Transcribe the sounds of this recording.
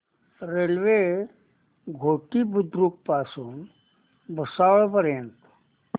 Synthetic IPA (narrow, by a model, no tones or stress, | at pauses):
ɾelʋe | ɡʱoʈiːbud̪ɾuk̚pasuːn | bʱəsaʋɭpəɾjənt̪